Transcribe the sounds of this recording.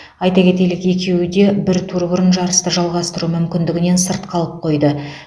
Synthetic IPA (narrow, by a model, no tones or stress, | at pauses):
ɑjt̪ɑkʲe̞t̪e̞lɪke̞kʲʰe̞wɪd̪e̞bɪɾt̪ʰuɾbʊɾənʒɑɾəst̪əʒɑlˠʁɑst̪əɾumʏmkʲɪnd̪ɪɡʲɪne̞nsəɾt̪qʰɑlˠəp̚qʰo̞jd̪ə